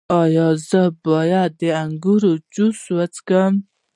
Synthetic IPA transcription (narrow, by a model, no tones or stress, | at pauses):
ɑjɑzəbɔjad̪̚ːeaŋɡuɾod͡ʒuswət͡skəm